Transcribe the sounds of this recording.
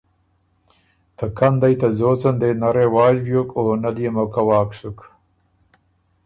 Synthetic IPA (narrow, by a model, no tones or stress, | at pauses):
t̪ɐkɐnd̪ajt̪ɐzoːt͡sɐnd̪enɐɾewaːd͡ʑbjokoːnɐlijemokɐwaːksuk